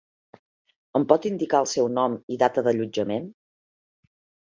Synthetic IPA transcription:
əmpɔt̪ind̪ikaəlˠsɛwnɔmiðat̪əðəʎud͡ʒəmen

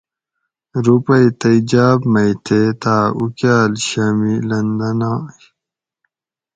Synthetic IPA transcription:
ɾupɐjt̪ɐid͡ʑaːbmɐjt̪ʰet̪aːukjaːlɕamilɐnd̪ɐnaː

